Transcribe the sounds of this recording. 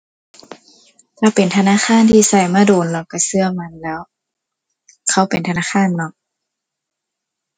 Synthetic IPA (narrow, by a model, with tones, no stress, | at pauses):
t̪ʰaː˧˩pe˨nt̪ʰa˧naː˧˥˨xʰaː˧˥˨nt̪ʰiː˧˨sa˧˩jmaː˧˥˩doː˨˦nlɔ˧˩kːa˧˩sɯ˧ɐma˧˥˨nlɛː˦˥w | kʰa˧˥˩wpe˨nt̪ʰa˧naː˧˥˨xʰaː˧˥˨nːɔ˧˥